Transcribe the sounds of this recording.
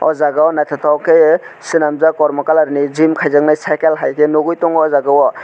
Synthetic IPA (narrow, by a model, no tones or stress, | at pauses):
ɔ̰zaɡawnatʰatʰawkejsinamzakɔɾmɔkalaɾnizimkʰajzaŋnajsajkelɦajkʰenoɡujtɔŋɔzaɡawɔ